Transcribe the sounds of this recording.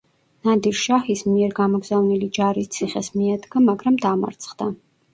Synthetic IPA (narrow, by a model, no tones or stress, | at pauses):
nad̪iɾʃahismiɛɾɡamɔɡz̥avnilid͡ʒaɾist̪sʰiχɛsmiad̪ɡamaɡɾamd̪ama̰ɾt̪sʰχd̪a